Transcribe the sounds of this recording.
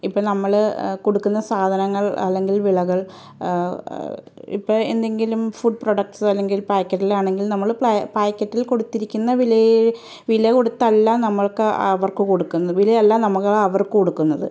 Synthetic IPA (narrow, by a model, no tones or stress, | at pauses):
ipːoːɭnɐmːɐɭko̞ɽukːunːɐsaːd̪ʱɐnɐŋːɐɭɐ̰lːe̞ŋɡilʋiɭɐɣɐɭ | ḭpːoɭḛnd̪e̞ŋɡilumfuɖ̚proɖɐk̚ʈsɐlːe̞ŋɡilpaːjkʲːɐʈːilaːɳe̞ŋɡilnɐmːɐɭpaːjkːɐtːilko̞ɽut̪ːiɾikʲːunːɐʋilɐj | ʋilɐko̞ɽut̪ːɐlːanɐmːɐɭkɨɐ̰ʋɐrkɨkoɽukːunːɐðʋilɐjɐlːanɐmuɣɐɭɐʋɐrkɨkoɽukːunːɐðɨ̰